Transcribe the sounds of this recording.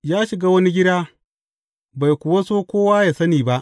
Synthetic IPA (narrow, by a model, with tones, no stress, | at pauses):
jaː˦ʃɪ˨ɡaː˦wɐ˦ni˦ɡʲɪ˦daː˦ | ba˨jkʷʊ˨wa˦soː˦kʷoː˦waː˦jaː˨sɐ˦niː˨ba˦ʔ